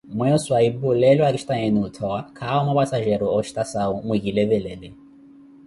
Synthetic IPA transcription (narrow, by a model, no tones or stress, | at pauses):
mwɛswaibulɛlwaɾiʃt̪aɛnut̪ʰɔakʰaumapasaʒɛɾuɔʃt̪asaumuɡilevɛlɛlɛ